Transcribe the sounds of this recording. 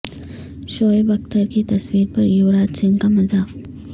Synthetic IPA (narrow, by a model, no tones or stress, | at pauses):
ʃoːjbɐkt̪əɾkit̪ɐsʋiːɾpəɾjuʋɾat̪t͡ɕiŋkaməd͡za